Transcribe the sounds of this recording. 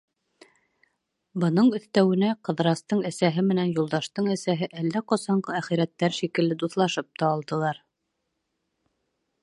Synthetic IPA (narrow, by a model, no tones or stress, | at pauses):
bɤ̆nɤɴɵ̆θt̪æwɘ̆næqɤ̆ðɾɑst̪ɤɴæsæɦɘmɘ̆nænjulˠd̪ɑʃt̪ɤɴæsæɦɘʔælːæqŏsɑɴɢɤæχiɾæt̪ːæɾʃikɘ̆lːɘd̪uθlˠɑʃɤp̚t̪ɑːlˠd̪ɤ̆lˠɑɾ